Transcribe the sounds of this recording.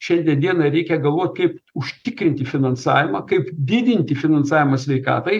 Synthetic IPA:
ʃʲɛnʲd̪ʲɛd̪ʲiɛnɐɾʲɛɪkʲɛɡɐlˠʋoːtʲkɐɪpʊʃʲt̪ʲɪkɾʲɪnʲt̪ʲɪfʲɪnɐnsɑ̰ːʋʲɪmɐkɐɪpd̪ʲɪd̪ʲɪnʲt̪ʲɪfʲɪnɐnsɑːʋʲɪmɐsʲʋʲɛɪkɑ̰ːt̪ɐɪ

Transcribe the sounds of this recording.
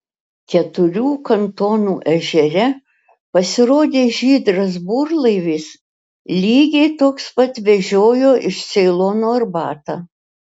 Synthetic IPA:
kʲɛt̪ʊɾʲuːkɐnt̪oːnuːʔɛʒʲɛɾʲɛ | pɐsʲɪɾoːd̪ʲeːʒʲiːd̪ɾɐs̬buːɾlˠɐɪʋʲiːs | lʲiːɡʲɛɪt̪oːkspɐt̪ʋʲɛʒʲoːjoːʔɪʃsʲɛɪlˠoːnoːɐɾbɑːt̪ɑː

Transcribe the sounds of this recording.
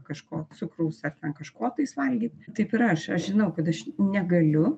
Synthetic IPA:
kɐʃkoːsʊkɾɐʊsɐrt̪ʲɛnkɐʃkoːt̪ɐɪsʋɐlʲɡʲiːt̪ʲt̪ɐɪpɪɾɐʃɐʃʒʲɪnɐʊkɐt̪ɐʃnʲɛɡɐlʲʊ

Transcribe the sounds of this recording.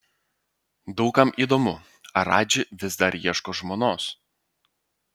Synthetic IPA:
d̪ɒʊkɐmʔiːd̪oːmʊ | ɐɾɑːd͡ʒʲɪʋʲɪzd̪ɐɾiɛʃkoːʒmoːnoːs

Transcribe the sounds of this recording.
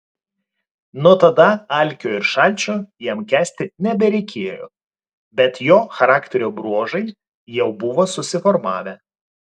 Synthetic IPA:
nuɔt̪ɐd̪ɐɑˑlʲˑkʲoːɪɾʃɑˑlʲt͡ʃʲoːjiɛmkʲæːsʲt̪ʲɪnʲɛbʲɛɾʲɛɪkʲeːjo̰ː | bʲɛt̪joːxɐɾɑːkt̪ʲɛɾʲoːbɾuɔʒɐɪ | jɛʊbʊʋoːsʊsʲɪfɔɾmɑ̰ːʋʲɛ

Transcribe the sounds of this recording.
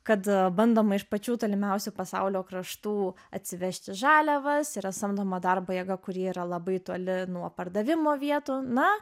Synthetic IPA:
kɐt̪bɐnd̪oːmɐɪʃpɐt͡ʃʲuːt̪oːlʲɪmʲɛʊsʲupɐsɐʊlʲoːkɾɐʃt̪uː | ɐt̪ʲsʲɪʋʲæʃʲt̪ʲɪʒɑːlʲɛʋɐsiɾɐsɐmd̪oːmɐd̪ɐrboːjɛɡɐkʊɾʲiɛiːɾɐlˠɐbɐɪt̪uɔlʲɪnuɔpɐrd̪ɐʋʲɪmoːʋʲiɛt̪uːnɐ

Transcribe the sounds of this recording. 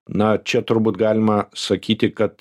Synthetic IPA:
nɐt͡ʃʲɛt̪ʊɾbuːt̪ɡɑːlʲɪmɐsɐkʲiːt̪ʲɪkɐt̪

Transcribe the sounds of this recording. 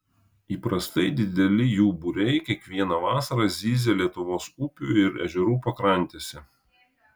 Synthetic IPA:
iːpɾɐst̪ɐɪd̪ʲɪd̪ʲɛlʲɪjuːbʊɾʲɛɪkʲiɛkʋʲiɛnɑʋɑːsɐɾɑzʲiːzʲeːlʲiɛt̪ʊʋoːsupʲuːˑɪɾɛ̰ʒʲɛɾuːpɐkɾɐnʲt̪ʲeːsʲɛ

